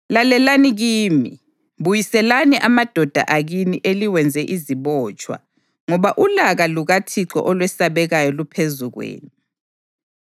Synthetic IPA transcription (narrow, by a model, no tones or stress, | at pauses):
lalɛlaniɣiːmḭ | βujisɛlaniʔamad̥ʱɔd̥ʱa̰ʔaɣiniʔeliwɛnd͡zʱɛʔiziβɔːt͡ʃʼwa̰ | ŋɔβaʔulaɣaluɣatʰiǁɔ̰ʔɔlwɛsaβɛɣajɔlupʰezuɣwḛːni